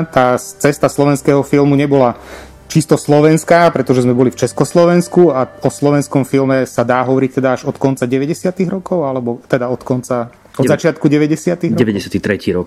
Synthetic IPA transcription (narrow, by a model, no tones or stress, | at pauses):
t̪aːt͡sɛst̪aslɔʋɛnskɛːɦɔfilˠmuɲɛbɔla | t͡ʃist̪ɔslɔʋɛnskaːpɾɛt̪ɔʒɛzmɛbɔlift͡ʃɛskɔslɔʋɛnskuaɔslɔʋɛnskɔmfilmɛsad̪aːɦɔʋɔɾic̚t̪ɛd̪aaʒɔt̪kɔnt͡saɟɛʋɛɟɛsɪat̪iɣɾɔkɔʊalɛbɔt̪ɛd̪aɔt̪kɔnt͡sa | ɔd̪zat͡ʃɪat̪̚kuɟɛʋɛɟɛsɪat̪iɾɛʋɛɟɛsɪat̪it̪ɾɛciːɾɔk